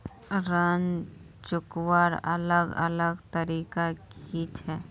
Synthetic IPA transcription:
ɾən | t͡ʃʊkwaɾə̰ləɡə̰ləɡt̪əɾiːkakit͡ʃʰɛː

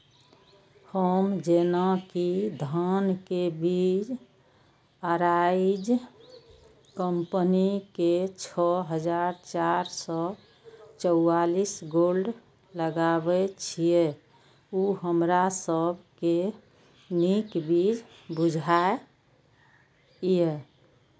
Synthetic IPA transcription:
həmd͡ʒenakid̪ʱənkebid͡ʒ | aɾaid͡ʒ | kəmpəniket͡ʃʰɔɦəd͡ʒaɾt͡ʃaɾsɔ | t͡ʃəʊalisɡolɖ | ləɡabɛt͡ʃʰie | uɦəmɾasəbʱke | nikbid͡ʒ | bud͡ʒʱae | je

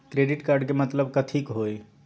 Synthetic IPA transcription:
kɾeɖiʈkaɾɖkemət̪ləb̚kət̪ʰikɦoj

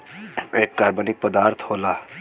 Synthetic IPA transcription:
eːkːaːɾbənɪk̚pəd̪aːɾt̪ʰhoːlaː

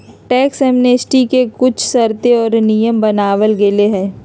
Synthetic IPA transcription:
ʈɛːksɛːmnesʈikekʊt͡ʃʰsɐɾt̪eɔːɾnijəmbɐnaːʋəlɡeleɦɛ̃ː

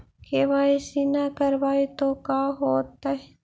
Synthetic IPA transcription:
keʋaːisinakəɾbaːit̪okaːɦoːt̪ːaɦe

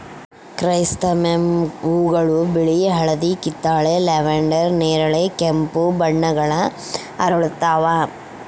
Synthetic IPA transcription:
kɾɐjst̪ɐmemuːɡɐɭubiɭiɦɐɭɐd̪ikit̪ːaːɭeleʋeɳɖɐɾneːɾɐɭekempubɐɳːɐɡɐɭɐ | ɐɾɐɭt̪ːaːʋaː

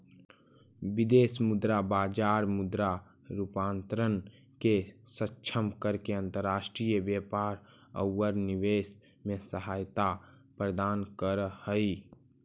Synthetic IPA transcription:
ʋɪd̪eːsmʊd̪ɾabaːd͡ʒaːɾmʊd̪ɾa | ɾupãːnt̪ɾən | ke | sətːʃʰəmkəɾkeə̃nt̪əɾːaːʃʈɾijəbjeːpaːɾ | ə̰wːəɾnɪʋeːs | mẽsəɦaːjt̪a | pɾəd̪aːnkəɾhəi

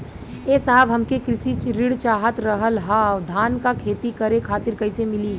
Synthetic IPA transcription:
eːsaɦəbʱɦɐmkekɾɪsiɾɪɽt͡ʃaːɦət̪ɾəɦəlɦad̪ʱaːnkakʰeːt̪ikəɾekʰaːt̪ɪɾkɐɪsemɪli

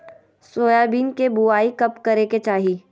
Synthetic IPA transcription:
soːjaːbiːnkebuaːikɐpkɐɾeket͡ʃaːɦiː

